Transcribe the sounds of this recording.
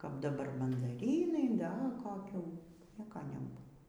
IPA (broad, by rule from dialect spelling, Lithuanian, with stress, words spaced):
kɐp dɐˈbɐr mɐndɐˈrʲiːnɐɪ ˈdɐ koːˈkʲuː ˈnʲiɛkɐ nʲɛˈbuːʋoː